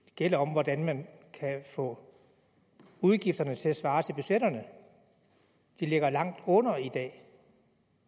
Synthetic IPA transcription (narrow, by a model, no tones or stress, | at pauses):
ɡ̥el̰ɐɒ̽mʋɒd̥ænmænkʰæfɔ̰̽ː | uð̞ˠɡ̥ifd̥ɐnət͡sʰe̝læsʋɑ̈ːt͡sʰe̝lb̥yɕeɾ̥ɐnə | d̥ile̝ɡ̥ɐlɑ̈ŋ̰d̥ɔ̽nɐid̥ɛ̰ː